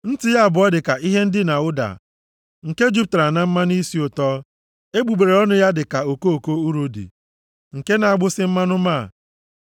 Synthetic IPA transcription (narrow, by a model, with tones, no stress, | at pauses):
n̩˦tɪ˨ja˦a˨bʊ˨ɔ˦dɪ˨ka˨ʔi˦ɦe˦n̩˦dɪ˦na˨ʊ˦da̰˨ | ŋ̩˨ke˦d͡ʒu˦p̚tɾa˨na˦m̩˦ma˦ni˦si˦ʊ˨tɔː˦ | e˦ɡ͡bu˨ɡ͡be˨ɾe˨ɔ˦nʊ˦ja˦dɪ˨ka˨o˨ko˦o˨ko˦u˦ɾo˦dḭ˨ | ŋ̩˨ke˦na˨a˨ɡ͡bʊ˦sɪ˦m̩˦ma˦nʊ˦ma˦˨